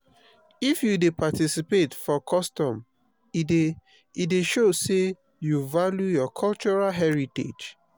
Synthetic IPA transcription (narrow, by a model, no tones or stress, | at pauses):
ifjudepatisipetfɔkʰɔstɔ̃m | ide | ideʃose | juvaljujɔkʰɔlt͡ʃɔɹalɦɛɹitḛd͡ʒ